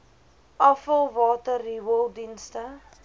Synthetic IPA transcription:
ʔɐfəlˠvɑːtəriwəlˠdinstə

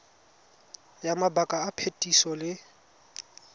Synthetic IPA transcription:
jamabakʼaːpʰetʼisɔlɪ

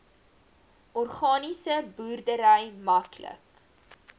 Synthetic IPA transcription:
ʔɔrχɑːnisəbuːrdəɾɛjmɐklə̰k

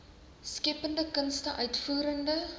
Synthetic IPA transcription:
skɛpəndəkənstəʔœɥtfuːɾəndə

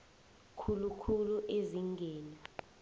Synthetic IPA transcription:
kʰulukʰuluʔeziŋɡʱɛːna

